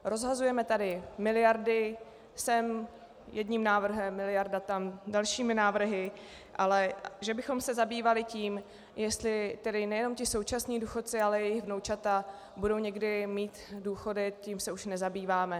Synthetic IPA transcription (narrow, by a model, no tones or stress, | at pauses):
ɾo̞zɦazujɛmɛt̪adɪmɪlɪjaɾdɪ | sɛm | jɛdɲiːmnaːvr̩ɦɛmːɪlɪjaɾdat̪amdalʃiːmɪnaːvr̩ɦɪ | ʔalɛʒɛbɪxo̞msɛzabiːvalɪciːm | jɛst̪lɪt̪ɛdɪnɛjɛno̞mcɪso̞wt͡ʃasɲiːduːxo̞t̪̚t͡sɪalɛjɛjɪɣvnowt͡ʃat̪a | budo̞wɲɛɡdɪmiːt̪duːxo̞dɪciːmsɛuʃnɛzabiːvaːmɛ